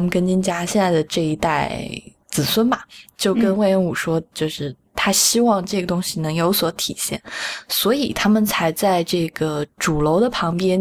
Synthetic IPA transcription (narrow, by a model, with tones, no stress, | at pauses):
mə˨kə˥nt͡ɕi˥nt͡ɕja˥ɕjɛ˥˧nt͡sa˥˩ɪd̪ə˩ʈ͡ʂɤ˥˩i˧˥t̪a˥˩ɪ | t͡sɹ̩˨˩swə˥nbɐ˨t͡ɕjo˥˩ʊkə˥nwe˥˩ɪɛ˥˩ŋu˨˩ʂwɔ˥t͡ɕjo˥˧ʊʂɻ̩˥˩ | t̪ʰa˥ɕi˥wɑ˥˧ŋʈ͡ʂɤ˥˩ɡə˩t̪ʊ˥ŋɕi˨nɤ˧˥ŋjo˧˥ʊswɔ˧˥t̪ʰi˨˩ɕjɛ̰˥˩nswɔ˧˥i˨˩t̪ʰa˥mə˨nt͡sʰa˧˥ɪt͡sa˥˧ɪʈ͡ʂɤ˥˩ɡə˩ʈ͡ʂu˨˩lo˧˥ʊd̪ə˨pʰɑ˧˥ŋpjɛ˥n